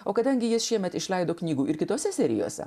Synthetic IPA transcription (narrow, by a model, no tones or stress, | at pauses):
oːkɐd̪ɐŋʲɡʲɪjɪsʃʲiɛmʲɛt̪ɪʃlʲɛɪd̪oːknʲiːɡuːʔɪɾkʲɪt̪oːsʲɛsʲɛɾʲɪ̰jo̰ːsʲɛ̰